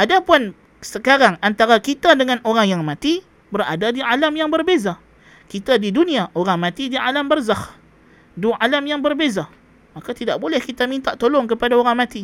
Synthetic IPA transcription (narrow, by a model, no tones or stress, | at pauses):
ʔadapʊn | səkaɾaŋant̪aɾakit̪adəŋanoɾaŋjaŋmãt̪i | bəra̰dadialamjaŋbərbeza | kit̪adidunĩaʔoɾaŋmãt̪idialambərzah | dualamjaŋbərbeza | makat̪idaʔbolɛhkit̪amint̪aʔt̪olɔŋkəpadaoɾaŋmat̪i